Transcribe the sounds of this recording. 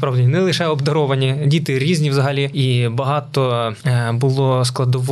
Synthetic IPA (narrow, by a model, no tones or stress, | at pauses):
pɾɑwdʲinʲinɛlˠɪʃɛɔbd̪ɐɾɔʋɐnʲidʲit̪ɪɾʲizʲnʲiwzɐɦɐlʲiibɐɦɑt̪ɔ | bʊlˠɔsklˠɐd̪ɔʋ